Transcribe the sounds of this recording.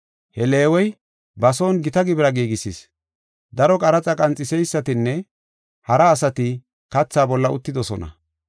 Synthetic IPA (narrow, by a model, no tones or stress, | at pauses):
hɛle̞ːwɔj | bɐsoːnɡɪt̪ɐɡɪbɾɐɡiːɡɪsis | d̪ɐɾɔkʼɐɾɐt͡sʼɐkʼɐnt͡sʼːɪsɛjsːɐt̪ɪnːɛ | hɐɾɐːsɐt̪ɪ | kɐt͡sːaːbɔlːɐʊt̪ːɪd̪ɔsɔnɐ̰